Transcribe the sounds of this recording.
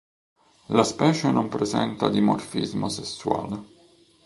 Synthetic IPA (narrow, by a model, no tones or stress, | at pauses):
laspɛːt͡ʃenompɾezɛnt̪a̰d̪imorfizmosesːwa̰ːle